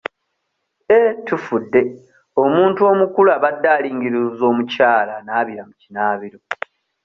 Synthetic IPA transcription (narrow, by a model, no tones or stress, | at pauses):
etufudːe̞ | o̞muːntuo̞mukulaβadːaːliːŋɡiɾuzo̞ːmucaːlanaːβiɾamucinaːβiɾo̞